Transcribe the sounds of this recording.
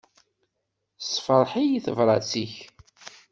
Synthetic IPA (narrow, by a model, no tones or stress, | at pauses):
sfəɾˤħijiθəvɾˤɑ̰siç